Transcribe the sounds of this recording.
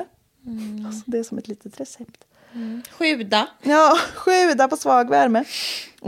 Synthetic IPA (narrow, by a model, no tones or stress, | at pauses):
asɔd̪ɛæʂɔmɛt̪liːt̪ət̪ɾɛsɛpt̪ | ɧʏːd̪ajɑːɧʏːd̪apɔsvɑːɡvæɾmə